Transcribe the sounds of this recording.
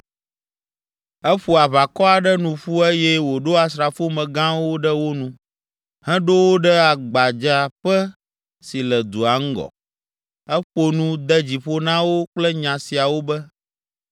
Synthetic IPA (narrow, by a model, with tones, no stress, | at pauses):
ɛ˦ɸu˨a˨βa˨kɔ˦a˨ɖɛ˦nũ˨ɸu˦e˦jɛ˦wo˨ɖo˦a˨sɾa˨fo˦mɛ̃˨ɡã˦wo˦ɖə˦wo˦nũ˨ | hɛ̃˦ɖo˦wo˦ɖɛ˦a˨ɡ͡ba˨d͡ʒa˨ɸɛ˦ | si˨lɛ˨d̪u˨a˨ŋ̩˦ɡɔ̰˨ | ɛ˦ɸo˨nũ˦d̪ɛ˦d͡ʑi˨ɸo˦nã˦wo˦k͡plɛ˦ɲã˨si˨a˨wo˦bɛ˦